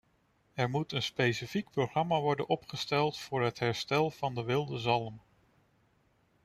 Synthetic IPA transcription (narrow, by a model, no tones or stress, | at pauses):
ɛɹmutənspejsifik̚proχrɑmaːʋɔɹdənʔɔpχəstɛlˠtfʊːɹɦətɦɛɹstɛlˠv̥ɑndəʋɪlˠdəzɑlˠəm